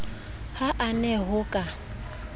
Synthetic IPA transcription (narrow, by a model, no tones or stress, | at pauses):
haʔanɛɦʊkʼa